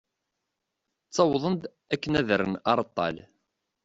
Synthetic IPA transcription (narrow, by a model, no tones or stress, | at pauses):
t͡sːɑwðˤənd̪ | ækːənæðəɾənɑɾˤt̪ˤːɑ̰l